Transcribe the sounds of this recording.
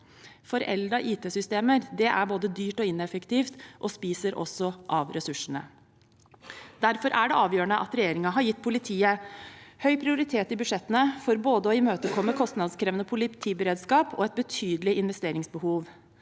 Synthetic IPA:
fɔɾɛ̰ld̪ɾɑʔiːt̪ʰeːsʏst̪eːməɾd̪ɛʔæɾboːd̪əd̪yːʈɔɪnɛfəkt̪iːft̪ʔɔspiːsəɾʔɔ̰sɔʔɑʋɾʔɛsʉʂəɳə̰ | d̪æɾfɔɾʔæɖɛʔɑːʋjøːəɳəʔɑ̰t̪ɾɛjeːɾɪŋɑɦɑɾjɪt̪ːpʰʊlɪt̪ʰiːəhœʏpʰɾɪʊɾɪt̪ʰeːt̪ɪbʉʂɛt̪ənəfɔɾboːd̪əɔɪmøːt̪əkʰɔmːəkʰɔst̪nɑd̪skʰɾeːʋənəpʰʊlɪt̪ʰiːbəɾeːd̪skɑːpʰɔ̰ɛt̪̚bət̪ʰyːd̪əlɪɪnʋɛst̪eːɾɪŋsbəhuːʋ

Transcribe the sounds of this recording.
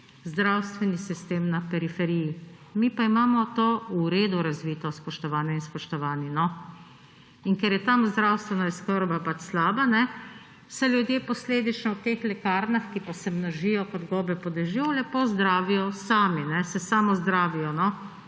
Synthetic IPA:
zd̪ɾawst̪ʋɛnisist̪eːmnapɛɾifɛɾiji | mipaimaːmɔt̪oːuɾeːd̪uɾazʋiːt̪ɔspɔʃt̪ɔʋaːnɛinspɔʃt̪ɔʋaːnjɛnɔ | iŋkɛɾjɛt̪amzd̪ɾawst̪ʋɛnaiskəɾbapat͡ʃslaːbanɛ | sɛlʲjud̪jeːpɔsleːd̪it͡ʃnɔwt̪eːxlɛkaːɾnaxkipasɛmnɔʒijɔkɔd̪ɡɔːbɛpɔd̪ɛʒiɔlɛpozd̪ɾaːʋijɔsaːminɛsɛsaːmɔzd̪ɾaːʋijɔnɔ

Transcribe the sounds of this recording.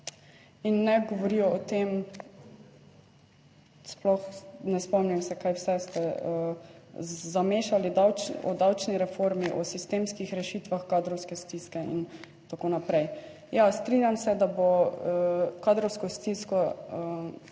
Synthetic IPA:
inːɛɡɔʋɔɾiɔɔt̪eːm | splɔxnɛspɔmnimsɛkajwsɛst̪ɛə | zameːʃalid̪awɔ̰d̪awt͡ʃniɾɛfoɾmiʔɔsist̪eːmskixɾɛʃiːt̪ʋaxkad̪ɾɔwskɛst̪iskɛḭn | t̪akoːnapɾɛj | jast̪ɾinjamsɛd̪abo | kaːd̪ɾɔwskɔst̪iskɔə

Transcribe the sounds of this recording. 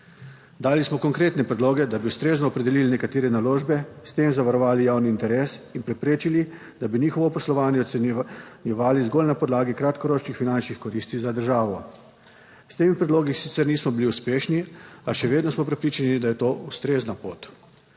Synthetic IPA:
d̪aːlismɔkɔŋkɾeːt̪nɛpɾɛd̪loːɡɛd̪abiust̪ɾeːznɔːpɾɛd̪ɛliːlinɛkat̪eːɾɛnaloːʒbɛst̪emzaʋaɾɔʋaːlijawniːnt̪ɛɾeːsinpɾɛpɾeːt͡ʃili | d̪abiniːxɔʋɔpɔslɔʋaːnjɛɔ | njɛʋaːlizɡolnapɔd̪laːɡikɾat̪kɔɾoːt͡ʃnixfinant͡ʃnixkɔɾist̪izad̪əɾʒaːʋɔ | st̪eːmipɾɛd̪loːɡisit̪sɛɾniːsmɔbiliuspeːʃniaʃɛʋeːd̪nɔsmɔpɾɛpɾiːt͡ʃanid̪ajɛt̪oːust̪ɾeːznapo̰ːt̪

